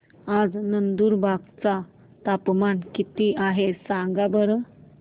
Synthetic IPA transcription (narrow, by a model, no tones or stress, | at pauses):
ad͡znənd̪uːɾbʱaɡt͡sa | t̪apmankit̪iaɦesãŋɡabəɾə